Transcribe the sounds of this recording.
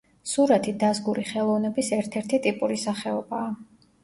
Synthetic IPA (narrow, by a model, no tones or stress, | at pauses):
suɾat̪ʰid̪azɡuɾiχɛlˠɔvnɛbisɛɾt̪ʰɛɾt̪ʰit̪ʼipʼuɾisaχɛɔbaː